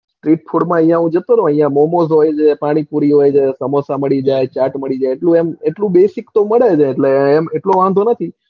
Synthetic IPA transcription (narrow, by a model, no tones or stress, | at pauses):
sʈɾiʈ̚pʰoɽmãə̃jãɦũd͡ʒət̪onoə̃jjãmomozɦojt͡ʃʰepaɽ̃ipuɾiɦojd͡ʒʰesəmosaməɭid͡ʒajt͡ʃaʈməɭid͡ʒajeʈlũemeʈlũbesikt̪oməɭed͡ʒʰeːʈleːmeʈloʋãnd̪ʱonət̪ʰi